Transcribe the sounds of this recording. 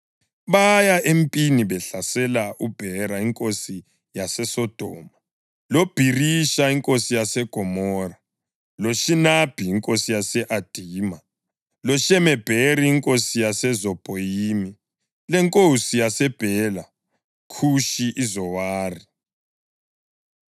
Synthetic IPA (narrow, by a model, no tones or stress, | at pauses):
βajaʔempʼiniβɛɬasɛlaub̥ʱɛɾaiŋkʼosi | jasɛsɔd̥ʱɔːma | lob̥ʱiriʃaiŋkʼosijasɛɡ̥ʱɔmɔra | loʃinab̥ʱiːŋkʼosijasɛʔad̥ʱiːma | lɔʃɛmɛb̥ʱeriːŋkʼosijasɛzɔb̥ʼʱojiːmi | lɛŋkʼosijasɛb̥ʱɛla | kʰuʃiʔizɔwaːri